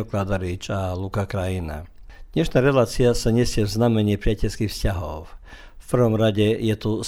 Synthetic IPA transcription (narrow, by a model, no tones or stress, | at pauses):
ɔklad̪ɔɾit͡ʃalukakɾajina̰d̥̪ɲɛʃnaːɾɛlaːt͡siasaɲɛsɪɛvznamɛɲɪipɾɪacɛʎskixfscaɦɔʊ | fpr̩ʋɔmɾaɟɛjɛt̪u